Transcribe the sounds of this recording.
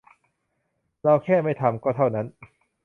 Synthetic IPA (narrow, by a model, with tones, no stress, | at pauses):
ɾa˧wkʰɛː˥˩ma˥˩jt̪ʰa˧mkɔː˥˩t̪ʰa˥˩wna˦˥n